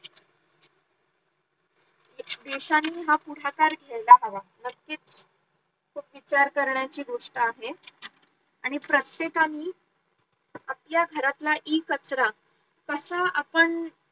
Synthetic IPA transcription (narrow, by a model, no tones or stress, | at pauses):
d̪eɕanːiːɦapuɽ̤akaɾɡʱeɭlaɦaʋanəkːiːt͡s | kʰuːpʋit͡ɕaɾkəɾɳjat͡ɕiːɡoʂʈəaɦe | aɽ̃ipɾət̪jekaniː | apljaɡʱəɾat̪laʔiːkət͡sɾa | kəsaapəɳ